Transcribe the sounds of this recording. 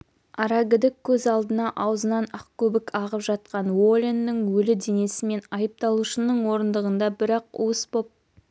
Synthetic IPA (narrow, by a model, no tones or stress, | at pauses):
ɑɾɑɡʲɪd̪ɪkʲʰːɵzɑlˠd̪ənɑʔɑwəzənɑnɑqkʲʰɵbɪkʰɑʁəpʒɑt̪̚qɑnwo̞lʲenːɪŋwɵlɪd̪e̞ne̞sɪme̞nɑjəp̚t̪ɑlˠuʃənəɴwo̞ɾənd̪əʁənd̪ɑbɪɾɑqṵwəsbo̞p̚